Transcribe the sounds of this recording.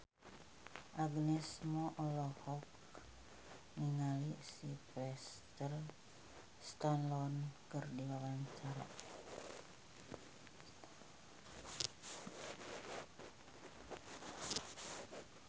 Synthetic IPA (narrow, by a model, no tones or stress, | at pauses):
ʔaɡnɛsmɔʔɔlɔhɔk | niŋalisipɾɛst̪ər | st̪anlɔnkɨrdiwawaɲt͡ʃaɾa̰